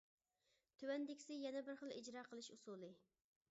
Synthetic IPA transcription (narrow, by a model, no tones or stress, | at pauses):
t̪ʰywɛnd̪ɪkʲi̥sɪjɛnɛbɪɾχəlˠḭd͡ʒɾɑːqʰəlˠɨʃusulˠɨ